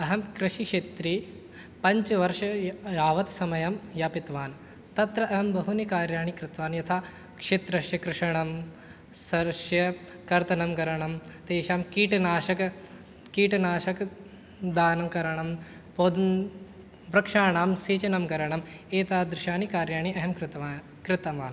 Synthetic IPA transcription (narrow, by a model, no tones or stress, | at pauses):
ɐɦɐmkɾɪʃiʂet̪ɾi | pɐɲt͡ʃɐʋɐɾʃɐjaːʋɐt̪sɐmɐjɐmjapit̪ʋaːn | t̪ɐt̪ɾɐʔɐɦɐmbɐɦunikaːɾjaːɳikɾɪt̪ʋaːnjɐt̪ʰaː | kʂet̪ɾɐʃjɐkɾɪʂɐɳɐm | sɐɾʃjɐ | kɐɾt̪ɐnɐmkɐɾɐɳɐmt̪eːʃaːmkiːʈnaːʃɐk | kiːʈɐnaːʃɐk | d̪aːnɐmkɐɾɐɳɐm | poːd̪ | ʋɾɐkʂaːɳaːmseːt͡ʃɐnɐmkɐɾɐɳɐmeːt̪aːd̪ɾɪʃaːnikaːɾjaːɳ̃iɐɦɐmkɾɪt̪ː | kɾɪt̪ɐʋaːn